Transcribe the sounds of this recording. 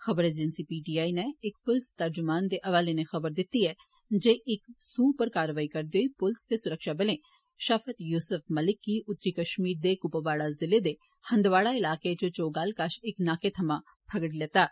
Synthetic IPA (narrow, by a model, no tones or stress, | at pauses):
xɐbəɾed͡ʒɪnsipiːʈiːaːineɪk̚pʊlst̪ɐɾd͡ʒʊmaːnd̪eʔɐʋaːlenexɐbəɾd̪ɪt̪ːiɦɛ | d͡ʒeːʔɪksuːpəɾkaːɾəʋaːikɐɾd̪oipʊlsd̪esʊɾəkʃabɐlẽː | ʃɐfət̪juːsʊfmɐlɪkːiʔʊt̪ːɾikɐʃmiːɾd̪ekʊpəʋaːɽazɪled̪e | hɐ̃nd̪ʋaːɽaɪlaːket͡ʃot͡ʃoːɡaːlkaʃɪknaːket̪ʰɐmã | pʰɐɡɽileːt̪aː